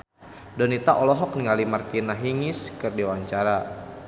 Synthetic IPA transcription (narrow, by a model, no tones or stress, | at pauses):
dɔnit̪aʔɔlɔɦɔk̚niŋalimart̪inaɦiŋɪskɨrdiwaɲt͡ʃaɾa